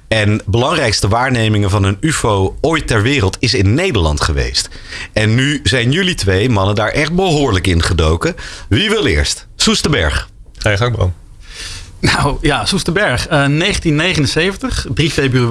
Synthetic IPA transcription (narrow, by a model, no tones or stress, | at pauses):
ɛnbəlɑŋrɛjkstəʋaːɹnejmɪŋəvɑnənyfowojttɛɹʋɪːrəlˠtɪs̬ɪnːejdəlɑ̰ntχəʋḛjst | ɛnːyzɛjnjɵlitʋejmɑnəndaːɹʔɛχt̚bəɦoːɹləkɪnχədowkəʋiʋɪlˠɪ̰ːɹst | sustəbɛ̰ɹχ | ɛjχɑŋ̚bro̰m | nawjasustəbɛɹχənejχəntinːejχənənsejvəntəχdrifebry